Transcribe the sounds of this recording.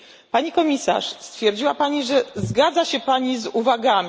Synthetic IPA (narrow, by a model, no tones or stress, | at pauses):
paɲikɔmʲisa̰ʂst̪fʲjɛɾd͡ʑiwapaɲiʐɛzɡad̪zaɕɛpaɲizuvaɡamʲ